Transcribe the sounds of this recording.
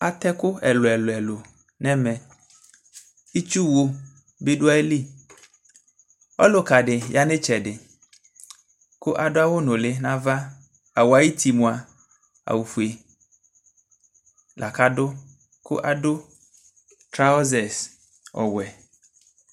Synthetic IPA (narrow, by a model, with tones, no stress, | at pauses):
a˨t̪ɛ˦kʊ˦ɛ˨lʊ˨ɛ˨lʊ˨ɛ˨lʊ˨ | nɛ˦mɛ̃˨ | i˦t͡ʃu˦wo˦ | be˦dʊ˦a˦e˦li˦ | ɔ˦lʊ˨ka˨dɪ˨ja˨nɪ̃˦t͡ʃɛ˨dɪ˨ | kʊ˦ʔa˨dʊ˦a˦wʊ˦nʊ̃˨lɪ˦nã˦va˦ | a˨wa˨i˦ti˨mʊ̃˨a˨ | a̰˨wu˨fu˨e˨ | lʔa˨ka˦dʊ˦ | kʊ̰˦ʔa˨dʊ˦ | tɾa˦ɔ˦zɛ˨s | ɔ̰˨wɛ˨